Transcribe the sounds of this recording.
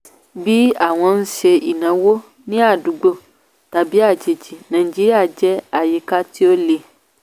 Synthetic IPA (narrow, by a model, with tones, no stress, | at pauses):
bi˦a˨w̃ɔ̃˧n̩˦ʃe˧i˨nã˨˦wo˦ | nĩ˦a˦˨du˨˦ɡ͡bo˦ | ta˨bi˨˦a˦˨d͡ʒe˨d͡ʒi˨nã˨i˨d͡ʒi˦ɾi˦a˦˨d͡ʒɛ˦a˨je˨˦ka˦ti˦o˦le˧